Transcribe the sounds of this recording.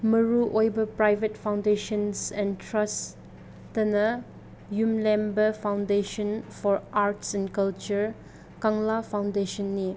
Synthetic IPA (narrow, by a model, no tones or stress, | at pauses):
məɹuʔɔjbəpɹajvətfãw̃ndeʃɔ̃nsɛ̃ntʰɹas | tənə | jũmlɛ̃mbəfãw̃ndeʃɔ̃nfɔɹʔaɹtsɛ̃nkalt͡ʃəɹ | kãŋlafãw̃ndeʃɔ̃nːi